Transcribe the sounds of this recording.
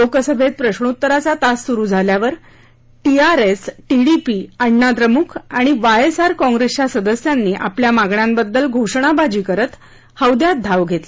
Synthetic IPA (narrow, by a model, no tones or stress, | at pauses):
lokəsəbʱet̪̚pɾəɕɳuut̪ːəɾat͡sat̪asːuɾuːd͡zʱaljaʋəɾ | ʈiaɾesʈiɽipiəɳːad̪ɾəmukʰaɽ̃iʋajesaɾkɔ̃ŋɡɾest͡ɕasəd̪əsjanːiːʔa̰pljamaɡɳjãmbəd̪ːəlɡʱoʂɳ̃abad͡ʑiːkəɾət̪ | həwd̪jat̪̚d̪ʱaʋɡʱet̪le